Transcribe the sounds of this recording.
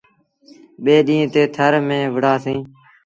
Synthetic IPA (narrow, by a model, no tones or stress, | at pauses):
ɓeːɗĩːt̪eːt̪ʰəɾmẽːʋəɽaːsĩː